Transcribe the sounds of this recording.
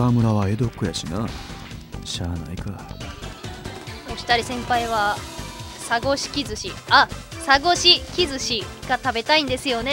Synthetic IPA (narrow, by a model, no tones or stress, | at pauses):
amɯ̟ɾaβae̞d̪o̞kːojaɕina | ɕaːna̰ika | oɕi̥t̪aɾʲisẽ̞mpaiβa | saɡo̞ɕi̥kʲizɨɕiasaɡo̞ɕikʲizɨɕiɡat̪abe̞t̪aĩnd̪e̞sɨjo̞ne̞